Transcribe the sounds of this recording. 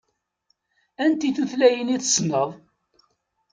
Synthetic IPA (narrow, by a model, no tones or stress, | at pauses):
ænt̪iθuθlæjəniθsnəðˤ